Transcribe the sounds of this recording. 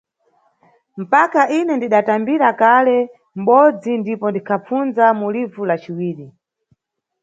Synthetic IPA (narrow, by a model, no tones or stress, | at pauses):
m̩pakaʔinɛndiɗatambiɾakalɛ | m̩ɓɔd͡zindipɔndikʰap͡fund͡zamulivulat͡ʃiwiːɾi